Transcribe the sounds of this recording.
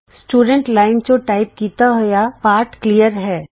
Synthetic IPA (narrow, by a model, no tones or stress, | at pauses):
sʈuːɖə̃ɳʈlaːɪnt͡ʃoʈaːɪp̚kiːt̪aɦʊjapaːɾʈkliːjəɾɦɛː